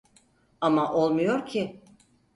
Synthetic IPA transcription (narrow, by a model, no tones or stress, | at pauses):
amaʔo̞lˠmujo̞ɾcʰɪ